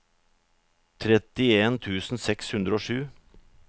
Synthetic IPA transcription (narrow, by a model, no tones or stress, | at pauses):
t̪ʰɾɛt̪ɪeːnt̪ʰʉːsn̩sɛkshʉnd̪ɾəoːʂʉː